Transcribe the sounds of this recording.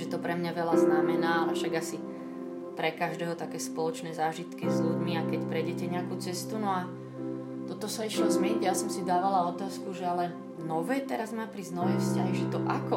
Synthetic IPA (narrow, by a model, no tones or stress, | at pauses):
ɛt̪ɔpɾɛmɲaʋɛlaznamɛnaːalɛfʃaɡasi | pɾɛkaʒd̪ɛːɦɔt̪akɛːspɔlɔt͡ʃnɛːzaːʒit̪kizʎuɟmiakɛcpɾɛɟɛcɛɲɛakuːt͡sɛst̪unɔa | t̪ɔt̪ɔsaiʃlɔzmɛɲiɟjasɔmsid̪aːʋalaɔt̪aːskuʒɛalɛ | nɔʋɛːt̪ɛɾazmaːpɾiznɔʋɛjfscaɦiʒɛt̪ɔʔakɔ